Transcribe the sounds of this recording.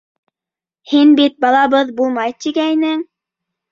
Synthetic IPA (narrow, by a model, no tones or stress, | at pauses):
hinbit̪̚bɑlˠɑβɤðbulˠmɑjt̪iɡæjnɘŋ